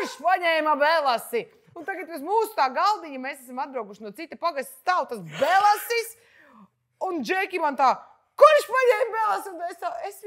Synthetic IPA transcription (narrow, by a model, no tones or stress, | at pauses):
ʃpaɲɛːmɐbelˠasi | unt̪aɡat̪̚bɛzmuːsu̥t̪aːɡalˠd̪iɲimeːsæsamatd̪̚bɾawɡuʃinuɔsit̪ːipaɡasʲt̪ʲst̪awt̪asbelˠasis | und͡ʒɛːkʲimant̪aː | kuɾʃpaɲɛːmbelˠasiunt̪aesaes